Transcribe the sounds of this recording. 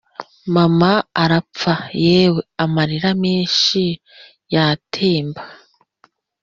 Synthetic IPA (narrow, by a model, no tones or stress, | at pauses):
mamaaɾap͡fajeːweamaɾiɾamiːnʃi | jatʰeːmba